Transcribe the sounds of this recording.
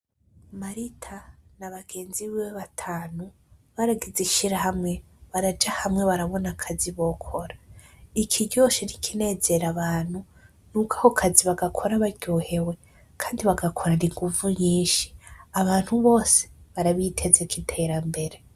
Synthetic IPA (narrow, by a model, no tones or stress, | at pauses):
maɾitʰanaβaɡ̥e̞ːnziβieβatʰaːnu | βaɾaɡiziʃiɾahamŋe̞ | βaɾad͡ʒahamŋe̞βaɾaβo̞nakʰaziβo̞kʰoɾaikʰiɟo̞ʃinikʰine̞ːze̞ɾaβaːn̥hu | nukahokʰaziβaɡakʰo̞ɾaβaɾɟoːhe̞we̞ | kʰaːndiβaɡakʰoɾaniŋɡuvuɲiːnʃi̥aβaːn̥huβo̞ːse̥βaɾaβitʰe̞zekʰitʰe̞ɾambe̞ɾe